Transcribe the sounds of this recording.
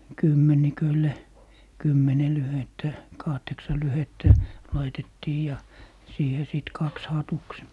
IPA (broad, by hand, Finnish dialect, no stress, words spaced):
kymːenikølːe kymːene lyhetːæ kɑhteksɑ lyhetːæ lɑitetːiː jɑ siːhe sit kɑks hɑtuks